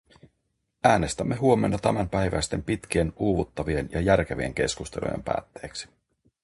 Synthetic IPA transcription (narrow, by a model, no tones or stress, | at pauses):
æːne̞st̪æmːe̞ɦuo̞me̞̰nːɑt̪æmæmpæjʋæ̰st̪e̞mpit̪k̟ie̞nuːʋut̪ːɑʋie̞njɑjærk̟e̞ʋie̞̰ŋk̟e̞̰skust̪e̞lṵjḛmpæ̰ːt̪ːe̞ːksi̥